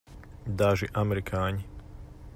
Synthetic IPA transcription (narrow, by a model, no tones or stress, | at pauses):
d̪aːʒiʔamɛɾikʰaːɲi